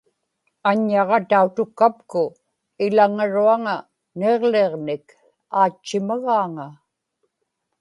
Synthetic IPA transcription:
aɲːɑʁɑt̪aut̪ʊkːapkʊ | ɪlaŋaɻuaŋa | ne̞ʁleʁnɪk | aːt͡ʃːɪmaɣaːŋa

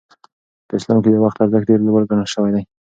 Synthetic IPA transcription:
p̪əɪslɑmkejawaxt̪aɾzəkɖeɾloɡəlɡaɳaʃəwajd̪aj

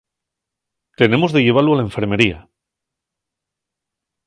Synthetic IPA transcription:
t̪e̞ne̞mo̞zðe̞ʝe̞β̞aloalae̞ɱfe̞ɾme̞ɾia

